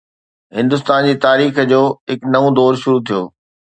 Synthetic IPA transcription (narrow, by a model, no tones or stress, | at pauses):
ɦɪ̃nd̪ʊs̬t̪aːnd͡ʑiːt̪aːɾiːxd͡ʑoːɦɪknɐʋũd̪ɔːɾʃʊɾut̪ʰijo̰ː